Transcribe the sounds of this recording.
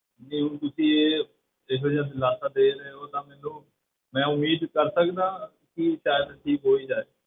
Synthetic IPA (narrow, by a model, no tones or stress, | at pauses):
neːũːkʊsiːeː | eɦed͡ʒãːd̪laːsaːd̪eːɾəeːoːt̪ãːmɛːnũː | mɛ̃ːʊmiːd̪kəɾsəkd̪ãː | kɪʃaːjəd̪ʈʰiːkɦoːiːd͡ʒaːeː